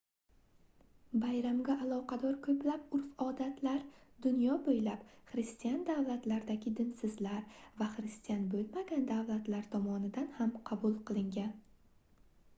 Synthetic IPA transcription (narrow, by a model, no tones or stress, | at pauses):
bajɾamɡʲaʔːlˠɒqʰɑd̪ɒɾkʰɵplapʊɾfɒd̪at̪ʰlaɾd̪ʊnjɒbojlapχɾɪst̪ijand̪avlat̪laɾd̪aɡʲɪd̪ɪnsɪzlaɾvaχɾɪst̪ijanbolmaɡʲand̪avlat̪laɾt̪ʰɒmɒnɪd̪anhamqʰɑbulˠqʰɨlˠɪŋɡʲan